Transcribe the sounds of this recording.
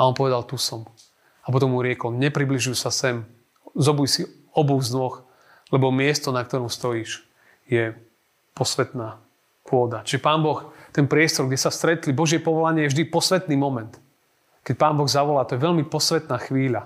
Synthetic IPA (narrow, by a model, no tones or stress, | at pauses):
aɔnpɔʋɛd̪alt̪usɔm | apɔt̪̬ɔmːuɾɪɛkɔlɲɛpɾibliʒujusasɛm | zɔbujsi | ɔbɔɣznɔx | lɛbɔmɪɛst̪ɔnak̚t̪ɔɾɔmst̪ɔjiːʃ | jɛ | pɔsʋɛt̪naː | kʊɔd̪at͡ʃiʒɛpaːnbɔxt̪ɛnpɾɪɛst̪ɔɾɡɟɛsast̪ɾɛt̪libɔʒɪɛpɔʋɔlaɲɪɛjɛvʒd̪ipɔsʋɛt̪niːmɔmɛnt̪ | kɛc̚paːnbɔɣzaʋɔlaːt̪ɔjɛʋɛlmipɔsʋɛt̪naːxʋiːʎa